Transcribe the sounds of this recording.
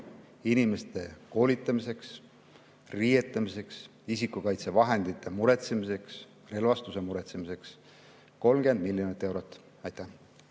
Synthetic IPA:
inime̞st̪e̞ko̞ːlit̪ːˑɑmise̞ks | rijet̪ːˑɑmise̞ks | isikːukɑjt̪se̞vɑɦend̪̥it̪ːˑe̞muɾe̞t̪semise̞ks | re̞lvɑst̪use̞muɾe̞t̪semise̞ks | ko̞lmɡ̥e̞nd̪̚milːjo̞nit̪ːˑe̞wɾo̞t̪ːˑ | ɑjt̪ːˑæh

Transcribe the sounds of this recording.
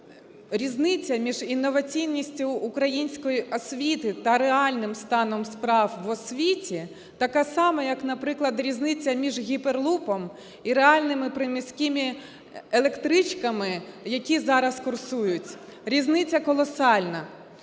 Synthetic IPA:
ɾʲiznɪt͡sʲːɐmʲiʒinːɔʋɐt͡sʲijnʲːisʲtʲʊːkɾɐjinʲsʲkɔjiʔɔsʲʋʲit̪ɪt̪ɐɾeɑlʲnɪmst̪ɑnɔmspɾɑwʋɔsʲʋʲitʲi | t̪ɐkɑsɑmɛjɐknɐpɾɪklˠɐd̪ɾʲiznɪt͡sʲːɐmʲiʒɣʲiperlˠupɔm | iɾeɑlʲnɪmɪpɾɪmʲisʲkʲɪmʲi | elˠe̞kt̪ɾɪt͡ʃkɐmɪjɐkʲizɑɾɐskʊrsujʊtʲɾʲiznɪt͡sʲɐkɔlˠɔsɑlʲnɐ

